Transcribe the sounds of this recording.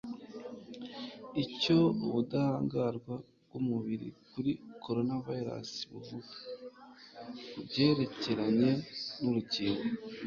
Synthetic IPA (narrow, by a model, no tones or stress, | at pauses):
ico̞uβudahaːŋɡaɾɡwa | bɡwumuβiɾḭkuɾikʰo̞ɾo̞navaiɾa̰si̥βuvuk | bɟe̞ɾe̞ce̞ɾaɲe̞nuɾuciːŋɡo